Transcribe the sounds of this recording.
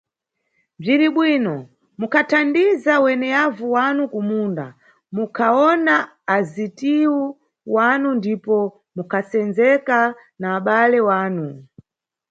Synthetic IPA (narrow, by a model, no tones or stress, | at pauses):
b͡ʐiɾiɓwinɔ | mukatʰandizawɛnɛjavuwanukumunda̰ | mukʰaɔnaː | zitiwu | wanundipɔ | mukʰasɛnzɛka | naːɓalɛwaːnu